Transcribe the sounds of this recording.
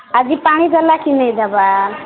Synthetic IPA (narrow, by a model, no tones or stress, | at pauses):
ad͡ʒipaɽ̃id̪əlakinəjd̪əba